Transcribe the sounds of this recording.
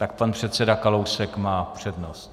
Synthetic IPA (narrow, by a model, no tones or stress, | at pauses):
t̪ak̚panpr̝̥ɛt̪t͡sɛdakalowsɛkmaːpr̝̥ɛdnost̪